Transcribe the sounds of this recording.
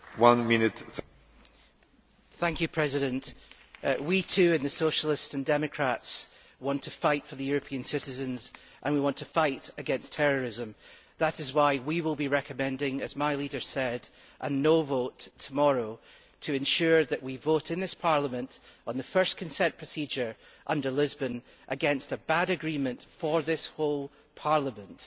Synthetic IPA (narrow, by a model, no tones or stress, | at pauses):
wʌ̃nmɪnɪt | θæ̃ŋkʰjɨpʰɹ̥ɛzɪɾə̃nʔ | witʰʉə̃nðəsoʃəl̩ˠɪstsə̃ndɛmɨkʰɹ̥ats | wɔ̃ntʰəfaɪtfə˞ðəjʉɹɨpʰiə̃nsɪʔɪzə̃nz | ʔə̃nwiwɔ̃ntʰəfaɪʔɨɡɛ̃nstʰɛɹə˞ɪzə̃m | ðəʔɪzwaɪwiwɪlˠbiɹɛkʰəmɛ̃ndɪ̃ŋɨzmaɪlˠidə̥˞sɛd | ʔə̃novotʰəmɔɹo | tʰɨɨ̃nʃʉɹðɨʔwivoʔɨ̃nðɪspʰaɹlˠəmə̃nʔə̃nðəfɜ˞skʰɨ̃nsɛ̃npʰɹ̥əsid͡ʒə˞ʔʌ̃ndə˞lˠɪzbə̃n | ʔəɡɛ̃nstəbaɾɨɡɹĩmə̃nʔfə˞ðɪsholˠ | pʰaɹlˠəmə̃nʔ